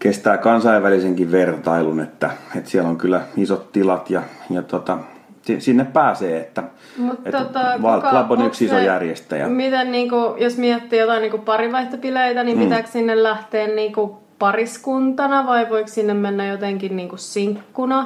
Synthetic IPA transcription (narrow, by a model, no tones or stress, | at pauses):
kest̪æːkɑnsɑiʋʋæliseŋkiʋʋert̪ɑilunet̪ːæet̪siæloŋkylːˑæisot̪t̪ilɑt̪jɑjɑt̪ot̪ɑ | sisinːeppæːseːet̪ːæ | mut̪et̪ːot̪ɑʋɑɑponioksisojærjest̪æ̰jæ̰mit̪enniːŋkujosmiæt̪ːiːjot̪ɑiniːŋkuppɑriʋɑiht̪ɑpileit̪ænimpit̪æːkssinːellæht̪eːnniːŋku | pɑriskunt̪ɑnɑʋɑiʋoikssinːemmenːæjot̪eŋkinniːŋkussiŋkːunɑ